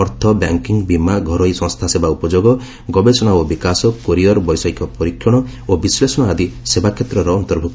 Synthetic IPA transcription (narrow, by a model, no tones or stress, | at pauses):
ɔɾt̪ʰɔbja̰ŋkiŋbimaɡʱɔɾɔjsɔ̃ŋst̪ʰasebaupɔd͡ʒoɡɔ | ɡɔbesɔnabɔbikasɔkoɾiɔɾbɔjsɔjkɔpɔɾikʰjɔɽ̃ɔobislesɔɽ̃ɔad̪isebakʰjet̪ɾɔɾɔːnt̪ɔɾbʱuk